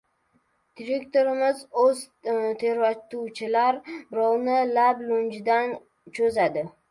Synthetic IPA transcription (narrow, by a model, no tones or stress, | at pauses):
d̪̥iɾe̞kt̪oɾɪmɪzɵz | t̪ʰe̞ɾvat̪uwt͡ʃʰɪlaɾbɪɾɒwnɪlablʊnd͡ʒɪd̪an | t͡ʃʰɵzad̪ɪ